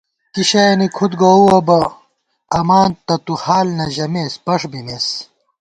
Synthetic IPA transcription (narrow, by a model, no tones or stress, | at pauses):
kiɕɐnikʰut̪ɡouɐbɐ | ɐmaːnt̪ːɐt̪uhaːlnɐʑɐmeːspɐʂbimeːs